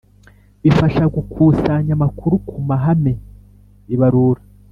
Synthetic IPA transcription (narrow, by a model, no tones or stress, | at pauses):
βifaʃaɡukʰuːsaɲamakuɾukʰumaɦame̞ | iβaɾuːɾa